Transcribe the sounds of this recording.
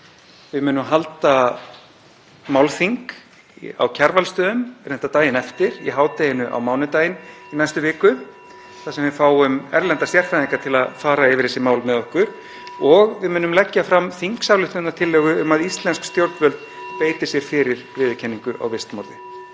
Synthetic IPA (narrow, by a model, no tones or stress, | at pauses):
vɪðmʏːnʏmɦalt̪a | maːwlθiŋk | a̰wcʰaɾvalst̪œːðʏmɾ̥nɛht̪at̪aːjɪnɛft̪ɪɾ̥ḭɦaːwt̪ejɪnʏʔa̰wmaːwnʏt̪aːjɪninajst̪ʏvɪːkʏ | θasɛmvɪfaːwʏmɛɾlɛnt̪ast̪jɛr̥fɾajðiŋkat̪ʰɪlaðfaːɾaɪvɪɾ̥θɛsːɪmaːwlmɛðɔhkʏɾ̥ | ɔɣvɪðmʏːnʏmlɛcːafɾamθiŋksawlʏht̪nːat̪ʰɪlːɛːɣʏʏmaðist̪lɛnskst̪jowɾt̪vœlt̪ | peːjt̪ɪ̥sjɛɾ̥fɪɾɪɾvɪːðʏcʰɛnːiŋkʏʔa̰wvɪst̪mɔɾðɪ